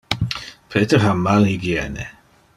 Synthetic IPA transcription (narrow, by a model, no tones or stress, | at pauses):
pʰetəɦamaliɡjɛnɛ̰